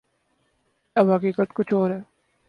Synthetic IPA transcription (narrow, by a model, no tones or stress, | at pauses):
ɐbɦɐkiːkət̪kʊt͡ʃʰoːɾɦɛː